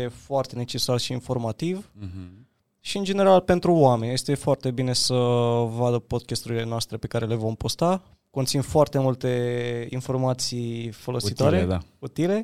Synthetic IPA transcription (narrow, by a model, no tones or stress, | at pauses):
efoart̪e̞ne̞t͡ʃe̞sarʃiːnfo̞rmat̪iv | ʃiɨnd͡ʒe̞ne̞ɾalpe̞nt̪ɾuoame̞nje̞st̪e̞foart̪e̞bine̞səvad̪əpo̞d̪kʲast̪uɾile̞noast̪ɾe̞pe̞kaɾe̞le̞vo̞mpo̞st̪a | ko̞nt̪sinfoart̪e̞mult̪e̞info̞rmat̪sifo̞lo̞sit̪aɾed̪aut̪ile̞